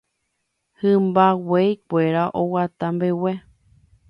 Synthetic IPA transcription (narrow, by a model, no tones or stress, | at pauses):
hɨ̃mbawejkʷeɾaʔowat̪ambewe